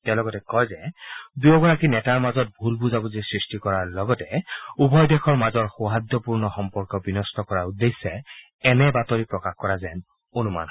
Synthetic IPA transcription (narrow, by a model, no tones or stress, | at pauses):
tɛlɔɡɔtɛkɔjzɛdujɔɡɔɹakinɛtaɹmazɔt̚bʱulbuzabuzisɹistikɔɹaɹlɔɡɔtɛubʱɔjdɛxʰɔɹmazɔɹxuɦadːɔpuɹnɔxɔmpɔɹkɔbinɔstɔkɔɹaɹudejsɛ | ɛnɛbatoɹipɹɔkaxkɔɹazɛn | onuma̰n